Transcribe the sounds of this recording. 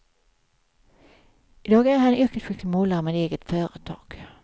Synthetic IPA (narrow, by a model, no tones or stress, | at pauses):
ɪd̪ɑːɡæɾhanʏɾkət̪ɧʏk̪lɪmoːlaɾmeːd̪eːɡət̪fœːɾət̪ʰɑ̰ːɡ̥